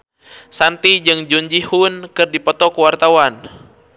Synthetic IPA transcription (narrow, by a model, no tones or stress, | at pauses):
sant̪id͡ʒɨŋd͡ʒuɲd͡ʒihunkɨrdipɔt̪ɔkuwart̪awan